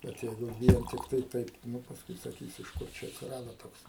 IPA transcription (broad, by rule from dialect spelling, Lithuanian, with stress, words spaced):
ˈbʲɛt ˈjɛɪɡʊ ˈʋʲiɛn tʲɪkˈtɐɪ ˈtɐɪp ˈnʊ pɐsˈkʊɪ sɐˈkʲiːs ɪʃ ˈkʊr ˈt͡ʃʲɛ ɐtʲsʲɪˈrɑːdoː ˈtoːks